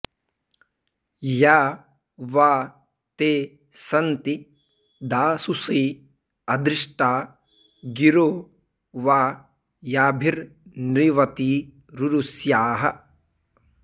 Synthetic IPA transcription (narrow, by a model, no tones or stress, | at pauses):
jaː | ʋaː | t̪eː | sɐnt̪i | d̪aːsuseː | ɐd̪ɾiʂʈaː | ɡiɾoː | ʋaː | jaːbʱiɾnɾiʋɐt̪iː | ɾuɾusjaːɦɐ